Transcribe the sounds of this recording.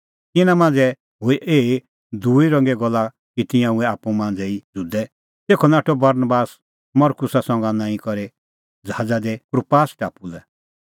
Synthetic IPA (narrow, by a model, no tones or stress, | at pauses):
ɪnãmãːnd͡zɛ | ɦʊiʔeː | d̪uiɾɔ̃ŋɡɛɡɔla | kit̪ɪ̃jãũɛaːpũmãːnd͡zɛid͡zud̪ɛ | t̪eːkʰɔnaːʈɔbɐɾnbaːs | mɔɾkʊsasɔ̃ŋɡanãːĩkɔɾe | d͡zaːd͡zad̪ekɾupaːsʈaːpulɛ